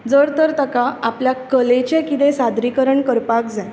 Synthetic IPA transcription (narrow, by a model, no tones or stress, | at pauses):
d͡zəɾt̪əɾt̪əkaapljakəlet͡ɕẽkit̪ẽsad̪ɾikəɾəɳkəɾpakd͡za